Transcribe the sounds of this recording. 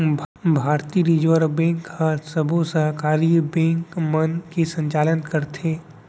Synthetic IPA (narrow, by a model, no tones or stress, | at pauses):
bʱbʱaːɾt̪iɾiːd͡ʒʋəɾbẽːŋkhasəbʱusəɦkaːɾibẽːŋkmənkisə̃ɲt͡ʃaːlənkɐɾt̪ʰeː